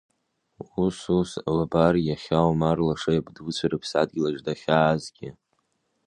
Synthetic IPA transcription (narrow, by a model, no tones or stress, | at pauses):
ususalabarjaχʲawmarlaʂajabdut͡sʷʰaɾɨpʰsad̚ɡʲilaʐdaχʲaːzɡʲɪ